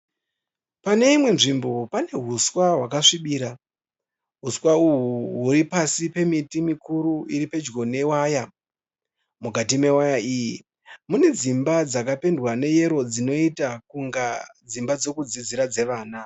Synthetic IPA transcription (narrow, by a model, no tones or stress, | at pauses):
pane̞imwe̞nʐimbo̞pane̞ɦuswaɦwakaʂiɓiːɾa | ɦuswauɦuɦuɾipasipe̞mitimikuɾuiɾipe̞d͡ʒɡo̞ne̞waːja | muɡʱatime̞wajaiːji | mune̞d͡zimbad͡zakape̞ndwane̞je̞ɾo̞d͡zino̞itakuŋɡad͡zimbad͡zo̞kud͡zid͡ziɾad͡ze̞ʋaːna